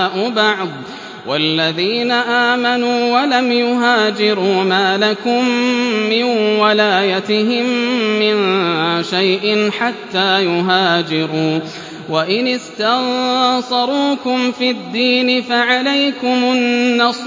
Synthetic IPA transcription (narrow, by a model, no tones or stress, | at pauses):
ʔʊbɑʕd̪ˤ | wʔalːaðiːnaʔaːmanuːwalamjʊɦaːd͡ʒɪɾuːmaːlakʊmːɪnwalaːjat̪ɪɦɪmːɪnʃajʔɪnħat̪ːaːjʊɦaːd͡ʒɪɾuː | waʔɪnɪst̪aɣsˤɑɾˤuːkʊmfid̪ːiːnɪfaʕalajkʊmʊnːɑs